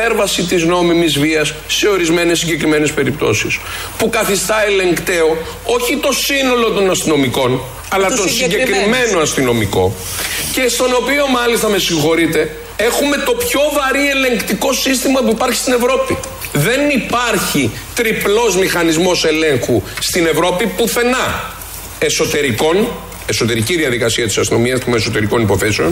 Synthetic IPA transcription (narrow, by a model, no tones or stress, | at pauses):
eɾvɐsit̪izno̞mimizviɐsːe̞o̞ɾizme̞nesːiɲɟe̞kɾime̞ne̞spe̞ɾip̚t̪o̞̰sis | pukɐθist̪ɐe̞le̞ŋkt̪e̞o̞ | o̞çit̪o̞sino̞lo̞t̪o̞nɐst̪ino̞miko̞n | ɐlɐtt̪osiɲɟekɾime̞no̞ɐst̪ino̞miko̞̰ | ce̞st̪o̞no̞pio̞mɐlist̪ɐme̞siŋxo̞ɾit̪e̞ | e̞xume̞t̪o̞pço̞vɐɾie̞le̞ŋkt̪iko̞sist̪imɐpuipɐɾçist̪ine̞vɾo̞pi | ðe̞nipaɐɾçi | t̪ɾiplo̞zmixɐnizmo̞se̞le̞ŋxust̪ine̞vɾo̞pipuθe̞nɐ | e̞so̞t̪e̞ɾiko̞n | e̞so̞t̪e̞ɾiciðiɐðikɐsiɐt̪i̥sɐst̪ino̞miɐzumeso̞t̪e̞ɾiko̞nipo̞θe̞seo̞̰n